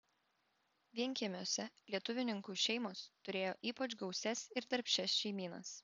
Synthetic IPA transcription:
ʋʲiɛŋʲkʲiɛmʲoːsʲɛlʲiɛt̪ʊʋʲɪnʲɪŋkuːʃʲɛɪmoːst̪ʊɾʲeːjoːʔiːpɐt͡ʃɡɒʊsʲɛsɪɾt̪ɐɾʲpʲʃʲɛsʃʲɛɪmʲiːnɐ̰s

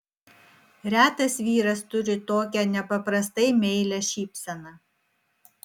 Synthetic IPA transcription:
ɾʲæːt̪ɐsʋʲiːɾɐst̪ʊɾʲɪt̪oːkʲɛnʲɛpɐpɾɐst̪ɐɪmʲɛɪlʲæʃʲiːpʲsʲɛnɐ

